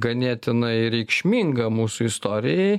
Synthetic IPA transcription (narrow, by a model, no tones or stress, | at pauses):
ɡɐnʲiɛt̪ʲɪnɐɪɾʲɛɪkʃʲmʲiːŋɡɐmuːsʊɪst̪oːɾʲɪjɛɪ